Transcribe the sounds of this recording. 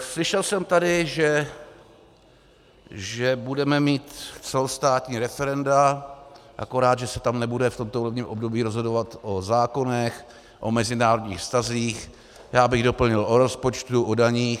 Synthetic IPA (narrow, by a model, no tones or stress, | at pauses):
slɪʃɛlsɛmt̪adɪʒɛ | ʒɛbudɛmɛmiːt̪t͡sɛlost̪aːt̪ɲiːɾɛfɛɾɛnda | ʔa̰ko̞ɾaːd̪ʒɛsɛt̪amnɛbudɛft̪omt̪oulɛvɲiːmʔob̚do̞biːɾozɦodo̞vat̪ʔozaːko̞nɛx | ʔo̞mɛzɪnaːɾodɲiːxfst̪aziːx | jaːbɪɣdo̞pl̩ɲɪlʔoɾo̞spo̞t͡ʃt̪uʔodaɲiːx